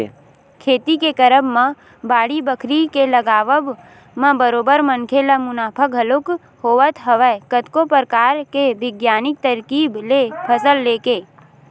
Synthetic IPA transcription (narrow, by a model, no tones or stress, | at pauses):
kʰeːt̪ikekəɾəbmə̃ | baːɽibəkʰɾikeləɡaːʋəb | mə̃bəɾoːbəɾmənkʰelamʊnaːpʰəkɦəlok | hoːʋət̪ɦəʋəkət̪kopəɾkaːɾkeʋɪɡjaːnɪk̚t̪əɾkiːblepʰəsəlːeːkeː